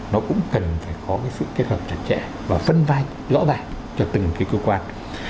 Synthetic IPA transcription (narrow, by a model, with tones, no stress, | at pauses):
nɔ˨˦kʊ̰˧˥ŋ͡mkə˨˩nfaː˧˩jkɔ˨˦kaː˨˦jsɨ̰˧˨ke˦˥t̚həː˨˩p̚t͡ɕə˨˧˩t̚t͡ɕɛ̰˧˥ | vaː˨˩fə˧nvaː˧j | zɔ̰˧˥zaː˨˩ŋ | t͡ɕɔ˧t̪ɨ˨˩ŋ˨ki˨˦jkəː˧˦kwaː˧n